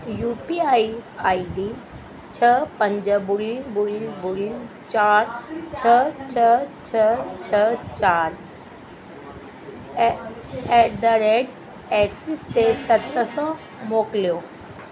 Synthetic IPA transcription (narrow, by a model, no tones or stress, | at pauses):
juːpiaːiaːiɖi | t͡ɕʰəpɐ̃ɲd͡ʑəbʊlibʊlibʊli | t͡ɕaːɾt͡ɕʰət͡ɕʰət͡ɕʰət͡ɕʰət͡ɕaːɾ | eɖəɾeɖ | eksɪst̪esɐt̪əsɔ | moːklijo